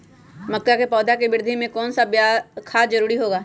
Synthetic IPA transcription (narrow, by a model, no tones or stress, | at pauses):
mɐkːakepɔːd̪ʱakebɪɾd̪ʱimẽkɔːnsabjaːkʰaːd͡ʒɐɾuːɾiɦoːɡaː